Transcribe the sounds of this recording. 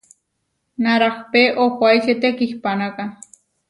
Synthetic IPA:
naɾakpeʔohʷajʃet̪ekihpanaka

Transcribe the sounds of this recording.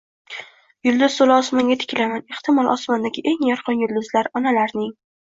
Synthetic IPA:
jʊlˠd̪ʊzsolɒsmaŋɡʲat̪ʰɪ̥kʲlamane̞ht̪ʰɪmɒlˠʔɒ̰smand̪aɡʲɪʔe̞ŋjɒɾqʰɒnjʊld̪ʊzlaɾɒnalaɾnɪŋ

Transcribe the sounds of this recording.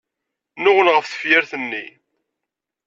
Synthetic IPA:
nʊʁənʁəfθə̥fjæɾθənːi

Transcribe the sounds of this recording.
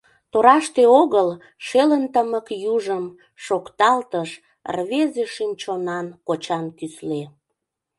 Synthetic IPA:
t̪oɾɑʃt̪eoɣəl | ʃelənt̪əməkjuʒəm | ʃokt̪ɑlt̪əʃ | rβezeʃymt͡ɕonɑnkot͡ɕɑnkysle

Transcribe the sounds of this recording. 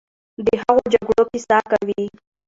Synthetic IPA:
d̪əɦaɣod͡ʒaɡɽokesakawi

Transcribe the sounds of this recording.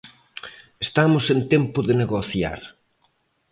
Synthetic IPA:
est̪amʊsent̪ɛmpʊðeneɣoθja̰ɾ

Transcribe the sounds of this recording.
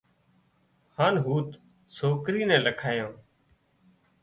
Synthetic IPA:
haːnɦuːt̪ | soːkɾiːnɛ̃ːləkʰaːjõː

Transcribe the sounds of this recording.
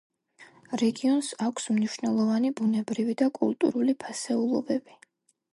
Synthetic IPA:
ɾɛɡiɔnsakʷʰsmniʃnɛlˠɔvanibunɛbɾivid̪akʼṵlˠt̪ʼṵɾulipʰasɛulˠɔbɛbi

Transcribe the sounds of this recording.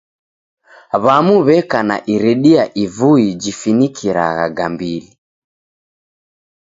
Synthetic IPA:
βamuβɛkana̰ʔiɾɛɗiaʔivuid͡ʒifinikʰiɾa̰ɣa̰ɡambili

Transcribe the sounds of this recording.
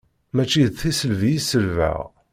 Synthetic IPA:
mæt͡ʃːiðθisəlvijisəlvæ̰ʁ

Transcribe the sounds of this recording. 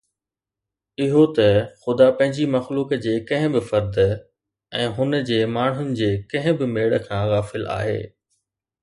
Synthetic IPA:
ɪɦot̪ɐxʊd̪apɐ̃ɦɪ̃ɲd͡ʑimɐxluːkd͡ʑeːkɐ̃ɦɪ̃bɪfɐɾd̪ | ɛ̃ːɦʊnəd͡ʑeːmaːɳ̤ɦʊnɪ̆d͡ʑeːkɐ̃ɦɪ̃bɪmeːɽə̆kʰãːɣaːfɪla̰ːɦḛː

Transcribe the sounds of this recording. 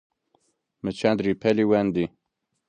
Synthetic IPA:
mɨt͡ʃʰɛnd̪ɾipʰɛliwɛnd̪i

